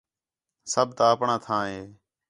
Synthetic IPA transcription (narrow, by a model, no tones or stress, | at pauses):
səb̚t̪aːəpɳãːt̪ʰãːɦeː